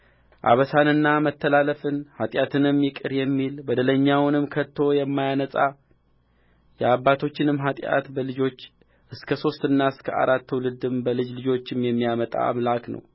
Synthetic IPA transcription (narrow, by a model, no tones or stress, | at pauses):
ʔa̰βəsanɨnːamət̪ʰːəlaləfɨnhat̪ʼjat̪ʰɨnɨmjɪkʼɨɾjɛmːilbəd̪ələɲːawnɨmkʰət̪ʰːo̞jɛmːajanəsʼa | jɛaβːat̪ʰo̞t͡ʃːɪnɨmːɦat̪ʼa̰t̪bəlɨd͡ʒo̞t͡ʃː | ʔɨskʰəso̞st̪ɨnːaɨskʰə̰ʔa̰ɾat̪ːulɨd̪ɨmbəlɨd͡ʒlɨd͡ʒo̞t͡ʃːɨmjɛmːijamət̪ʼa̰a̰mlaknə̰w